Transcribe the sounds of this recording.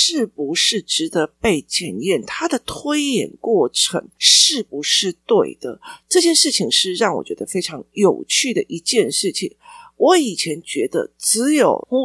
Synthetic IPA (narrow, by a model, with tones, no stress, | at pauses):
ʂɻ̩˥˩pu˧˥ʂɻ̩˥˩ʈ͡ʂɻ̩˧˥t̪ə˧˥pe˥˩ɪt͡ɕjɛ˨˩njɛ˥˩nt̪ʰa˥d̪ə˨t̪ʰwe˥ɪjɛ̰˨˩nkwɔ˥˩ʈ͡ʂʰɤ˧˥ŋʂɻ̩˥˩pu˧˥ʂɻ̩˥˧t̪we˥˩ɪd̪̥ə̰˩ʈ͡ʂɤ˥˧t͡ɕjɛ˥˧nʂɻ̩˥˩t͡ɕʰi˨˩ŋʂɻ̩˥˧ɻɑ˥˩ŋwɔ̰˨˩t͡ɕɥɛ˧˥d̪ə˧fe˥ɪʈ͡ʂʰɑ˧˥ŋjo˨˩ʊt͡ɕʰy˥˩d̪ə˩ʔi˧˥t͡ɕjɛ˥˧nʂɻ̩˥˩t͡ɕʰḭ˨˩ŋwɔ˧˥i˨˩t͡ɕʰjɛ˧˥nt͡ɕɥɛ˧˥d̪ə̰˧t͡sɹ̩˧˥jo˨˩ʊ˥